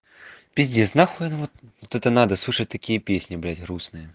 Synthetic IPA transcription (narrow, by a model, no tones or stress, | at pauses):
pʲɪzʲdʲeznaxojnvɔt̪vɔt̪ɛt̪ənad̪ɐslˠuʂət̚ʲt̪ɐkʲijəpʲesʲnʲɪblʲædʲɣɾusnɨjə